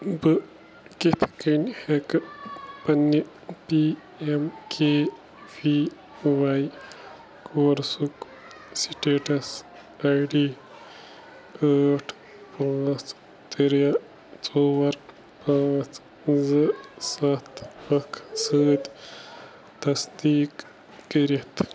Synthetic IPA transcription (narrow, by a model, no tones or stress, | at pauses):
bɨ | kit̪ʰkinhek | pɐnːi | pi | emkʰeː | bi | ʋaj | koːɾsuk | siʈeːʈɐs | ɐjɖi | aːʈʰ | paːt͡s | t̪iɾja | t͡soːwɐɾ | pãːt͡s | zɨsɐt̪ʰɐkʰsəːd̪ʲ | t̪ɐsd̪iːkː | iɾit̪